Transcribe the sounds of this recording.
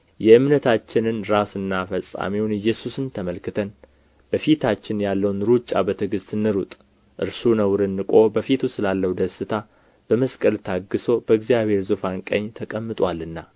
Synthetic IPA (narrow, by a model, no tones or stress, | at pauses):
jɛɨmnət̪ʰat͡ʃːɪnɨnɾasɨnːafəsʼa̰miwnɨjːɛsusɨnt̪ʰəməlkɨt̪ʰən | bəfit̪ʰat͡ʃːɪnjalːəwnɾut͡ʃʼːa̰bət̪ʰɨɡɨst̪ɨnːɨɾut̪ʼ | ʔɨ̰ɾsunəwɾɨnːɨkʼo̞bəfit̪ʰusɨlalːəwd̪əsɨt̪ʰa | b̥əməskʼəlt̪ʰaɡːɨso̞bəɨɡzijaβhe̞ɾzɨfankʼə̰ɲːt̪ʰəkʼəmːɨt̪ʼwalːɨnːa